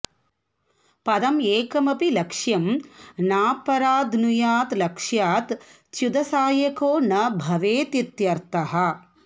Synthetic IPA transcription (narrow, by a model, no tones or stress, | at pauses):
pɐd̪ɐmeːkɐmɐpilɐkʂjɐmnaːpɐɾaːd̪ʱnujaːt̪lɐkʂjaːt̪ | t͡ʃud̪ɐsaːjɐkoːnɐbʱɐʋeːt̪it̪jɐɾt̪ɐɦɐ̆